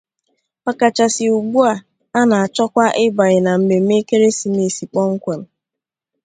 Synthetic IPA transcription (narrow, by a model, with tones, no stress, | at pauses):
pa˦ka˨t͡ʃa˨sɪ˨u˨ɡ͡bu˦a˨ | a˦na˨a˨t͡ʃɔ˦kʷa˦ʔɪ˦ba˨ɾɪ˨na˨m̩˨me˨m̩˦me˦ke˦ɾe˦si˨me˨si˨k͡pɔ˦ŋ̩˦kʷe˨n̩˨